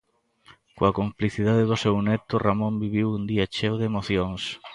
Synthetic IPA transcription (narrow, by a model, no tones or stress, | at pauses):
koakompliθiðaðɪðʊsewnɛt̪ʊramõmbiβiwund̪iat͡ʃewðemoθjoŋs